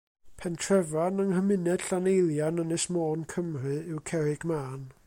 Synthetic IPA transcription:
pʰɛntʰrɛvanəŋhəmɨnɛd̥ɬanejlˠjanənɨsmoːnkʰəmrɨɪwkʰɛɾɨɡ̥maːn

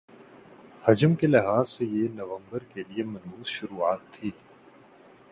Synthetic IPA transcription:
hɐd͡ʒəmkelɪɦaːzsejenɐʋə̃mbəɾkeliemɐnuːzʃʊɾuːaːt̪ʰːiː

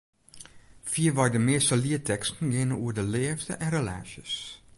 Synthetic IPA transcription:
fiːvɑjdəmeːsəliətʰɛkstn̩ɡenəuːdəlɛːftəʔɛ̃nrela̰ːʃəs

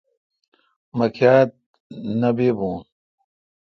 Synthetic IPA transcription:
mɐkʰjaːt̪̚ | nɐbeːbũːn

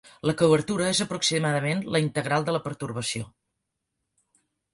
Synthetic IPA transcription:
ləkəβəɾt̪uɾəezəpɾuksimaðəmenləint̪əɣɾalˠd̪ələpəɾt̪uɾβ̞əsio̰

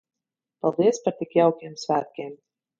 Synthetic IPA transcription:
palˠd̪iɛspaɾt̪ikjawkʲiɛmsvʲæːt̪̚kʲiɛm

